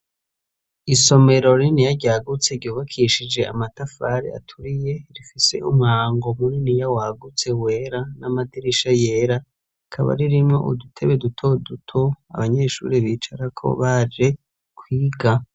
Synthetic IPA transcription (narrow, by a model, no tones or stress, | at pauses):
iso̞me̞ɾo̞ɾinijaɟaːɡut͡se̞ɾɟuːβakʰiʃid͡ʒeʔa̰matafaɾḛa̰tʰuɾije̞ɾifise̞̰umŋaːŋɡo̞muɾinijawaɡut͡se̞we̞ɾanamadiɾiʃaje̞ːɾa | kʰaβa̰ɾiɾimŋo̞̰ʔṵdutʰe̞βedutʰo̞dutʰoa̰βaɲe̞ʃṵːɾeβiːt͡ʃaɾakʰo̞̰βad͡ʒe̞ | kʰwiːɡa